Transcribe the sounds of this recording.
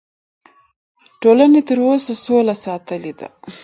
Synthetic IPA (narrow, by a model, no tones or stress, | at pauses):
ʈolanet̪əɾosasolasɑt̪əled̪a̰